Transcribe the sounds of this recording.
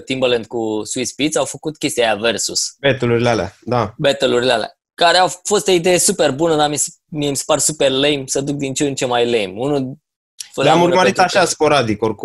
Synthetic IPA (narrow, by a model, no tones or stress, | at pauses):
t̪imbəlent̪̚kusuispit̪sawfəkut̪kʲe̞st̪ijajave̞rsusbet̪əluɾilealea̰d̪abet̪əluɾilea̰lea̰ | kaɾeawfo̞st̪oid̪e̞je̞supe̞rbunəd̪ami | miemsparsupe̞rlejmsəd̪uk̚d̪int͡ʃent͡ʃe̞majlejmunu | əlamuɾməɾit̪aʃaspo̞ɾad̪ikorku